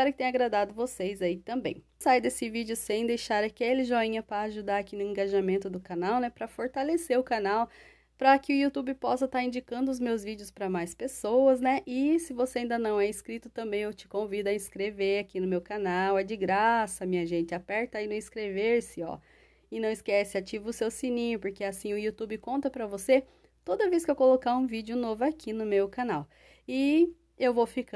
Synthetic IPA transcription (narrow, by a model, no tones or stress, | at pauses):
kɛɾʊkɪt̪ẽj̃ɐɡɾad̪ad̪ʊvosejzait̪ɐ̃mbḛ̃j̃ | sajd̪esɪvid͡ʒɪʊsẽj̃d̪ejʃaɾakɛlɪʒoĩɲɐpɾɐːʒud̪aɾakinʊẽŋɡaʒamẽnt̪ʊd̪ʊkanawnɛpɾɐfoɾt̪aleseɾʊkanaw | pɾɐkɪʊiut̪ubɪpɔsɐt̪aɾĩd͡ʒikɐ̃nd̪ʊːzmewzvid͡ʒɪʊspɾɐmajspesowɐznɛʔɪsɪvoseaĩd̪ɐnɐ̃w̃ɛiskɾit̪ʊt̪ɐ̃mbẽj̃ewt͡ʃɪ̥kõvid̪ʊɐĩskɾeveɾakinʊmewkanawɛd͡ʒɪɡɾasɐmĩɲɐʒẽnt͡ʃɪapɛɾt̪ɐinũĩskɾeveɾsɪɔ̰ | ɪnɐ̃w̃ɪskɛsɪat͡ʃivɐʊsewsĩnĩɲʊpoɾkeɛasĩʊiut̪ubɪkõnt̪ɐpɾɐvose | t̪od̪ɐveskɪewkolokaũvid͡ʒɪʊnovʊakʰinʊmewkanaw | ɪ | ewvowfik